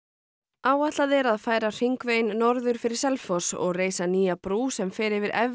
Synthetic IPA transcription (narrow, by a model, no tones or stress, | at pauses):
aːwaht̪laðɛɾaðfaːjɾar̥iŋkveːjnːɔɾðʏɾ̥fɪɾɪɾ̥sɛlfɔsɔ̰ɣreːjsaniːjapɾuːsɛmfɛːɾɪvɪɾʔɛv